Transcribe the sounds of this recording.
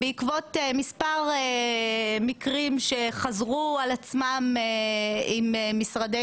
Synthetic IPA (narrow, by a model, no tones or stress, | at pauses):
beikvo̞t̪emispaʁe | mikʁimʃeχazʁualat͡smameimemisʁad̪e